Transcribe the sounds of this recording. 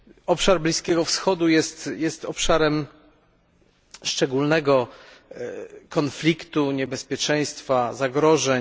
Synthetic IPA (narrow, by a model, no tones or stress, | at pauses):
ɔpʂaɾblʲiskʲɛɡɔfsxɔd̪ujɛst̪jɛst̪ɔpʂaɾɛm | ʂt͡ʂɛɡulnɛɡɔ | kɔnflʲikt̪uɲɛbɛspʲjɛt͡ʂɛj̃st̪fazaɡɾɔʐɛɲ